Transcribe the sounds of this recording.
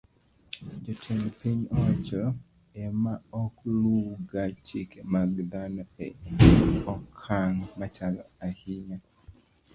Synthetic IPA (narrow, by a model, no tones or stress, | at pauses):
d͡ʒɔtʰɛnpiɲɔt͡ʃɔ | ɛmaɔkluɡat͡ʃikemaɡd̪anɔɛ | ɔkʰaŋmat͡ʃalɔahiɲa